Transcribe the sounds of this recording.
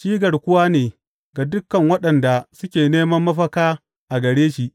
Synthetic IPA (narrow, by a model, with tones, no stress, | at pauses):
ʃiː˦ɡɐ˨rkʷʊ˦waː˦neː˨ | ɡa˨dʊ˦kːɐ˨ŋwɐ˦ɗɐ˨nda˨sʊ˦kʲeː˨neː˦mɐ˦mːɐ˦ɸɐ˦kaː˦ | ʔa˨ɡɐ˨ɽeː˦ʃi˨ʔ